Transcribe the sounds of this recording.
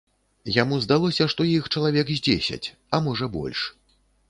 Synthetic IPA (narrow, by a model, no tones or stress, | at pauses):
jamuzd̪alˠɔsʲɐʂt̪ɔjixt͡ʂɐlˠavʲɛɡzʲd͡zʲḛsʲɐ̰t͡sʲ | ɐmɔʐɐbɔ̰lʲʂ